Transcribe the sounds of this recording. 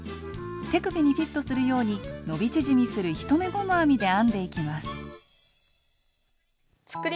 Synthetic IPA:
t̪e̞kɯ̟pʲiɲ̟iɸʲit̪ːo̞sɨɾɯ̟jo̞ːɲ̟ino̞bʲit͡ɕiʑimʲisɨɾɯ̟çi̥t̪o̞me̞ɡo̞noamʲid̪e̞ãnd̪e̞ikʲimasɨ̥ | t͡sɨ̥kɯ̟ɾʲ

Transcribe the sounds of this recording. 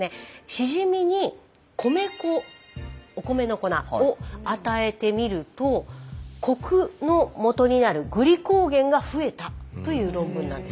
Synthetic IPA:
neɕiʑimʲiɲ̟i | kʰo̞me̞ko | oko̞me̞no̞ko̞na̰oat̪ae̞t̪e̞mʲiɾɯ̟t̪o̞kʰo̞kɯ̟no̞mo̞t̪o̞ɲ̟inaɾɯ̟ɡɯ̟ɾʲiko̞ːɡẽ̞ŋɡaɸɯ̟e̞t̪at̪o̞jɯ̟ːɾõ̞mbɯ̟̃nːã̰nd̪e̞s

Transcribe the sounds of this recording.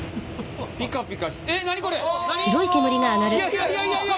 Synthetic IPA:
pʲikãpʲikaɕenaɲ̟iko̞ɾeɕiɾo̞ike̞mɯ̟ɾʲiŋaːnaɾɯ̟

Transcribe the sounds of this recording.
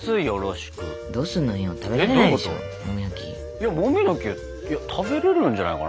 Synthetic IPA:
sɨijoɾo̞ɕi̥kɯ̰ | d̪o̞ːsɨnːoĩot̪abeɾenaiɕo̰ | mõmjokʲḭ | jamõmʲinokʲi | jat̪ʰabe̞ɾeɾɯ̟̃ɲ̟d͡ʑanaikan

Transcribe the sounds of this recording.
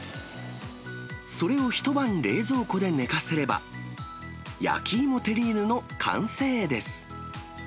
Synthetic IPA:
so̞ɾe̞o̞çi̥t̪o̞bãnɾe̞ːzo̞ːko̞d̪e̞ne̞kase̞ɾe̞ba̰ | ja̰kʲʰiːmo̞t̪e̞ɾʲiːnɯ̟no̞kʰã̰ɰ̃se̞ːd̪e̞sɨ̥

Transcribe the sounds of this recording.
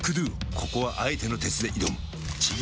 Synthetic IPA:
kɯ̟d̪ɯːkʰo̞ko̞βaʔait̪e̞no̞t̪e̞t͡sɨd̪e̞ʔid̪omɯ | t͡ɕi

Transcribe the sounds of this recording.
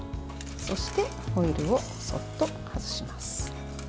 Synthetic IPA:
so̞ɕi̥t̪e̞ | ho̞iɾɯ̟o̞ | so̞̰t̪ːo̞ | hazɨɕimasɨ̥

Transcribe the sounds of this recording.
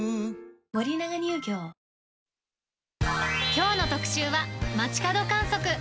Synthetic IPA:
mo̞ɾʲinaɡaɲ̟ɨːkʲo̞ː | kʲo̞ːno̞t̪o̞kɯ̟̥ɕɨːβamat͡ɕi̥kad̪o̞kãɰ̃so̞kɯ̟

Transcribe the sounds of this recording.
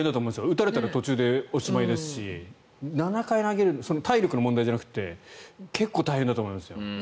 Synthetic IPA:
ẽnd̪atomẽːmsjoɯ̟t̪aɾe̞t̪aɾat̪o̞t͡ɕɨːd̪e̞oɕimaid̪e̞sɨ̥ɕi | nanakainaɡe̞ɾɯ̟nso̞not̪ʰaiɾʲo̞kɯno̞mo̞nd̪aiʑd͡ʑanakɯ̟̥t̪ːe̞̰kʰe̞kːo̞ːt̪aihend̪at̪oːmo̞imasɨjo̞

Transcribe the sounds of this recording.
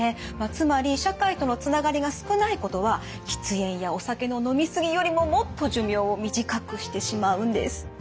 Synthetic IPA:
emat͡sɨmaɾʲiɕakait̪o̞no̞t͡sɨnaɡaɾʲiɡasɨ̥kɯ̟naiko̞t̪o̞βa | çʲi̥t͡sɨẽ̞ɰ̃jao̞sake̞no̞no̞mʲisɨɡʲijo̞ɾʲimo̞mo̞t̪ːo̞ʑɨmʲjo̞ːmʲiʑikakɯ̟ɕi̥t̪e̞ɕimaɯ̟̃nd̪e̞̰sɨ̥

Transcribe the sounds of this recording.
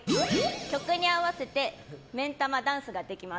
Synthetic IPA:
kʲo̞kɯ̟ɲ̟iaβase̞t̪e̞mẽ̞nt̪amad̪ãɰ̃sɨɡad̪e̞kʲima

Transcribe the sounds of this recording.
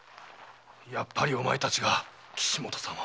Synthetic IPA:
japːaɾʲio̞ma̰et̪at͡ɕiɡa | kʲʰi̥ɕimo̞t̪o̥sama

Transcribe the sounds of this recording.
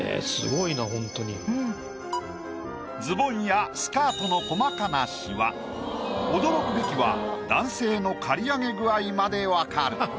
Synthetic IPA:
ḛsɨ̰ɡo̞inaɦõ̞nt̪oɲiɯ | d͡zɨbõ̞ɰ̃jasɨ̥kaːt̪o̞no̞ko̞makanaɕiβa̰ | od̪o̞ɾo̞kɯ̟be̞kʲiβa̰d̪ãɰ̃se̞ːno̞kʰaɾʲiaŋe̞ɡɯ̟aimad̪e̞βakaɾɯ̟

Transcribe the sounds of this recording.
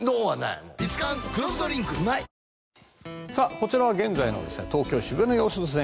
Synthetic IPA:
d̪oːana̰imoit͡sɨ̥kãŋkɯ̟ɾõsɨ̥t̪oɾʲĩŋkɯnai | sako̞t͡ɕiɾaβaɡẽ̞nd͡zaino̞̰d̪e̞sɨnet̪o̞ːkʲo̞ːɕibɯ̟̃nːojoːsot̪osẽ

